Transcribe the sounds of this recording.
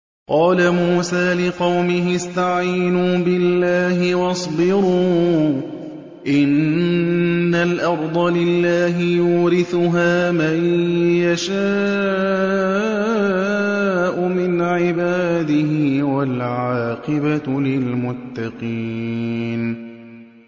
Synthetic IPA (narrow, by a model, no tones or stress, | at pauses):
qɑːlamuːsaːlɪqɑwmɪɦɪst̪aʕiːnuːbɪlːaːɦɪwɑsˤbɪɾuː | ʔɪnː | alʔɑɾˤd̪ˤɑlɪlːaːɦɪjuːɾɪθʊɦaːmajjaʃa | ʔʊmɪnʕɪbaːd̪ɪɦɪwalʕaɑːqɨbalɪlmʊt̪ːɑqiːn